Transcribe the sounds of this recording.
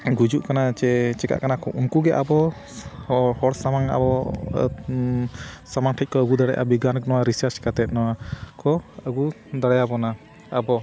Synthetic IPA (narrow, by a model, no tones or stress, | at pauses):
ɡud͡ʒuʔkanat͡ʃɛt͡ʃɛka̰ʔkanakɔʔumkuɡɛʔa̰bɔ | hɔɽsamaŋa̰bɔ | samaŋʈʰɛc̚kɔəɡud̪aɽɛjʔa̰biɡanknɔwaɾisaɾt͡ʃkat̪ɛt̪̚nɔwakɔəɡu | d̪aɽɛjabɔna | abɔ